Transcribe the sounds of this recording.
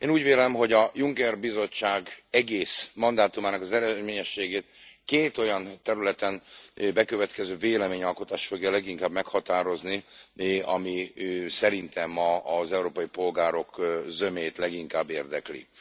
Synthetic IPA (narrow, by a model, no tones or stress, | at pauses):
eːnuːɟveːlɛmɦo̞ɟɒjuŋkɛrbizo̞t͡ʃːaːɡɛɡeːsmɒnd̪aːt̪umaːnɒkɒzɛɾɛd̪meːɲɛʃːeːɡeːt̪keːt̪o̞jɒnt̪ɛɾylɛt̪ɛnbɛkø̞vɛt̪kɛzøːveːlɛmeːɲɒlkot̪aːʃfo̞ɡjɛlɛɡiŋkaːbmɛkhɒt̪aːɾo̞zni | ɒ̰misɛɾint̪ɛmːɒɒzɛuɾoːpɒjipo̞lɡaːɾo̞kzø̞meːt̪lɛɡiŋkaːbːeːrd̪ɛklḭ